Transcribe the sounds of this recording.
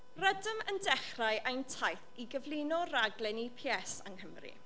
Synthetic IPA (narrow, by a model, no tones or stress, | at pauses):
rədəməndɛχrajʔajntʰajθiɡəvlˠɪnɔraɡlˠɛnipʰiɛsa̰ŋɦəmrḭ